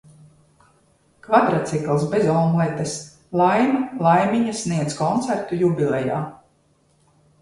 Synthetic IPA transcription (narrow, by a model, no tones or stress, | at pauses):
kvad̪ɾat̪siklˠsbezɔlˠmuɛt̪es | lˠajmalˠajmʲiɲasniɛskɔnt̪sæɾt̪ujubʲilʲɛja̰ː